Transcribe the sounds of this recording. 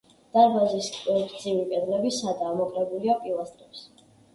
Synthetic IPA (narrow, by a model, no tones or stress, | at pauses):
d̪̥aɾbaziskʼɛt̪ʰʼd̪zivikʼɛd̪lɛbisad̪aːmɔkʼɾɛbuliapʼilˠast̪ʼɾɛps